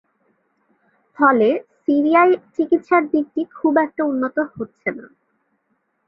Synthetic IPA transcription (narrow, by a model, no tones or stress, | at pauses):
fɔlesiɾiajt͡ɕikit̪ʃaɾd̪it̪ːikʰubɛk̚ʈaunːot̪ohotːɕʰena̰